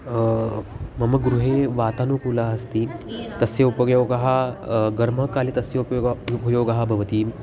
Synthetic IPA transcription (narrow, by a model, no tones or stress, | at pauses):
mɐmɐɡɾuɦeːʋaːt̪aːnupuːlaːɦɐst̪it̪ɐsjɐupɐɡjoːɡɐɦaɡɐɾm̤ɐkaːlit̪ɐsjɐpupɐjoːɡɐɦabʱɐʋɐt̪iː